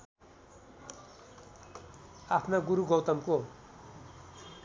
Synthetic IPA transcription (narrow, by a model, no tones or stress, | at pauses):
apʰnaɡuɾuɡʌwt̪ʌmko